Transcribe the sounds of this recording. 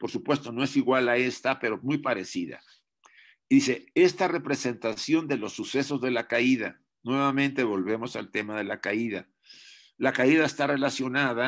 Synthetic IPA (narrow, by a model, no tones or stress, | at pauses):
po̞ɾsupwe̞st̪o̞no̞e̞siɣwalae̞st̪ape̞ɾo̞mujpaɾe̞siða̰ | ðise̞e̞st̪are̞pɾe̞se̞nt̪asjo̞nd̪e̞lo̞sːuse̞so̞zðe̞lakaiða̰ | nwe̞βamẽ̞nt̪e̞βo̞lβe̞mo̞sa̰lt̪e̞mað̞e̞lakaiða | lakaiðaest̪are̞lasjo̞naða